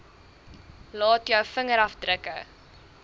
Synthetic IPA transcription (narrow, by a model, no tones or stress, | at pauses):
lɑːtjœwfəŋəɾɐfdrəkə